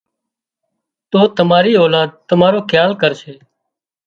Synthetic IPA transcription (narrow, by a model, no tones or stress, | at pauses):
t̪oːt̪əmaːɾiːoːlaːd̪̚t̪əmaːɾoːkʰjaːlkəɾʃʰeː